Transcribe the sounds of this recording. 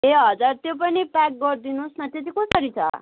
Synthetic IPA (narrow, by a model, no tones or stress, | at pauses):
ɦeɦʌd͡zaɾt̪jop̬ʌnipak̚ɡʌɾd̪inusnʌt̪jet̪ikõsʌɾit͡sʰʌ̰